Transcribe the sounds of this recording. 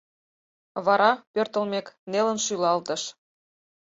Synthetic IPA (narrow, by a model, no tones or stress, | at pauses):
βɑɾɑpørt̪əlmeknelə̆nʃylɑlt̪ə̆ʃ